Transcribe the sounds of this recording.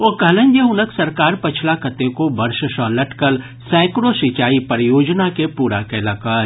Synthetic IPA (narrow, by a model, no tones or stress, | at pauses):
okɐɦlə̃ɲd͡ʒjəɦʊnəksɐɾkaːɾpɐt͡ʃʰlakɐt̪ẽkobɐɾʃəʃɔ̃ːlɐʈkəl | sɛ̃ːkɾoʃit͡ʃaːipəɾjoːd͡ʒnakepuːɾakɛːlaːkaː